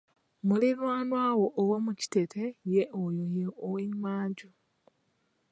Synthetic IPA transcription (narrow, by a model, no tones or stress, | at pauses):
muliβwaːnwaːwoʔːwomuci̥tetʰejeʔojojeoweɲmaːɲɟu